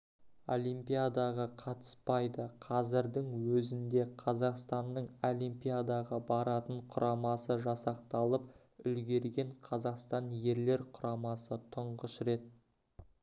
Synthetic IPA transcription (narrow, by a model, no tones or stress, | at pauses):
o̞̰lʲimpijad̪ɑʁɑqʰɑt̪ə̥spɑjd̪əqʰɑzɪɾd̪ɪŋwɵzɪnd̪e̞qʰɑzɑqst̪ɑnːəɴolijmpijad̪ɑʁɑbɑɾɑt̪əɴqʰʊɾʔɑmɑsəʒɑsɑq̚t̪ɑlˠəp | ʏlɡʲe̞ɾɡʲe̞ɴqʰɑzɑqst̪ɑnje̞ɾle̞ɾqʰʊɾɑmɑsət̪ʰʊɴʁəsɾe̞t̪̚